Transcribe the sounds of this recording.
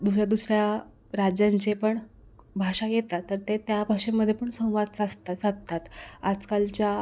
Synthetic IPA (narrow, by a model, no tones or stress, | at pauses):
d̪usɾjad̪usɾja | ɾad͡ʑjaɲt͡ɕepəɳ | bʱaʂajet̪at̪ːəɾt̪et̪jabʱaʂemːəd̪ʱjepəɳsə̃w̃ʋad̪̚t͡sast̪asatt̪at̪ad͡zkalt͡ɕja